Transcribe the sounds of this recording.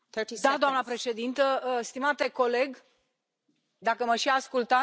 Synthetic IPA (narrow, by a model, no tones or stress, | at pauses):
t̪əid̪ad̪oamnəpɾe̞ʃe̞d̪int̪əst̪imat̪e̞ko̞le̞ɡ | d̪akəməʃiaskult̪a